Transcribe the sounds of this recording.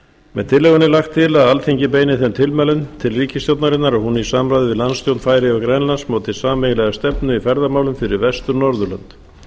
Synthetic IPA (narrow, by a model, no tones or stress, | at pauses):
mɛðt̪ʰɪlɛːɣʏnɪlaxt̪ʰːɪlaðalθeɲcɪp̬eːjnɪθɛmt̪ʰɪlmɛːlʏnt̪ʰɪlriːcɪst̪jowt̪naɾɪnːaɾahunisaːmɾajðɪvɪlanst̪jowt̪nfaːjɾɪɔɣkɾɛnlansmoːwt̪ɪsaːmɛjɪlɛɣast̪ɛpnʏifɛɾðamaːwlʏmfɪɾɪɾvɛst̪ʏɾnɔɾðʏlœ̰nt̪